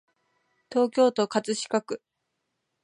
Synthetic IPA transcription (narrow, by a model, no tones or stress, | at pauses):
t̪o̞ːkʲo̞ːt̪o̞kat͡sɨɕi̥kakɯ̟